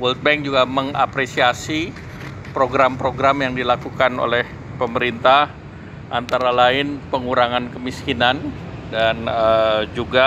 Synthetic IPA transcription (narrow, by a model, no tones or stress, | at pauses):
wɔlt̪̚bɛŋ̚d͡ʒuɡaməŋa̰pɾesiasi | pɾoɡɾampɾoɡɾamjaŋdilakukano̰lɛh | pəməɾint̪ah | ʔant̪aɾalaɪnpəŋuɾaŋankəmiskinan | danəd͡ʒuɡa